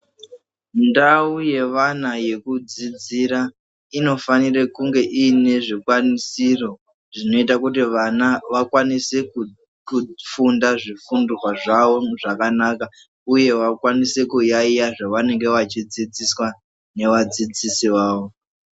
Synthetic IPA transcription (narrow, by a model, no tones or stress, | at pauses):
ndauje̞ʋanaje̞kud͡zid͡ziɾa | ino̞fanirekuŋɡe̞ʔiːne̞ʐikwanisiro̞ | ʐino̞itakutiʋanaʋakwaniseku | kufundaʐifundurwaʐaʋoʐakanaka | uje̞ʋakwanise̞kujaijaʐaʋane̞ŋɡe̞ʋat͡ʃid͡zid͡ziswa | ne̞ʋad͡zid͡zisiʋaːʋo